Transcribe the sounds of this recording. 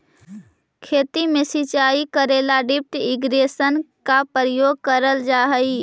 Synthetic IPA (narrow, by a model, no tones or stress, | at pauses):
kʰeːt̪imẽsit͡ʃaːikəɾeːlaɖɪp̚ʈɪɡɾeːsən | kapɾjoːɡ̚kəɾəld͡ʒaːɦəi